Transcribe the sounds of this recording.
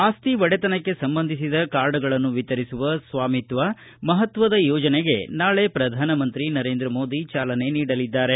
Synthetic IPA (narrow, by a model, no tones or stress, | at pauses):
aːst̪iʋɐɽet̪ɐnɐkːe̞sɐmbɐnd̪ʱisid̪ɐkaːɾɖɐɡɐɭɐnːuʋit̪ɐɾisuʋɐsʋaːmit̪ʋɐ | mɐɦɐt̪ʋɐd̪ɐjɔːd͡ʒɐneɡe̞naːɭe̞pɾɐd̪ʱaːnɐmɐnt̪ɾinɐɾe̞ːnd̪ɾɐmo̞ːd̪it͡ʃaːlɐne̞niːɽɐlid̪ːaːɾe̞